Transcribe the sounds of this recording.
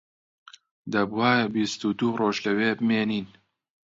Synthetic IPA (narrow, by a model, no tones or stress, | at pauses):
d̪ɐbwaːbist̪ud̪uːroːʒlɐweːbɨmeːniːn